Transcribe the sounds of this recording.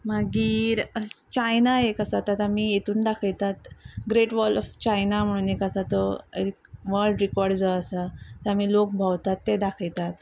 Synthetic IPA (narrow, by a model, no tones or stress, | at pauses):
maɡiːɾt͡ɕajnaekəsat̪at̪amiːet̪uːnd̪akʰəjt̪at̪ɡɾeʈʋɔlɔft͡ɕajnam̤əɽ̃uːnekəsat̪ɔikʋəɭɖɾikɔɾɖd͡zɔəsat̪amiːlok̚bʱawt̪at̪ːed̪akʰəjt̪at̪